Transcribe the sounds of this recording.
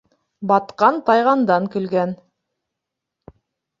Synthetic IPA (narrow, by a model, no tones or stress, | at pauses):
bɑt̪qɑnt̪ɑjʁɑnd̪ɑŋkɵ̆lɡæn